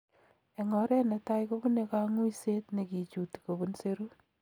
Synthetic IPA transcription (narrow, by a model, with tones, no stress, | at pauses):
e˨ŋɔ˨ɾɛ˦ne˨ta˦jko˦bu˦nekaŋu˦ise˦tne˨ki˨t͡ʃu˨ti̥˨ko˨bunseɾu˦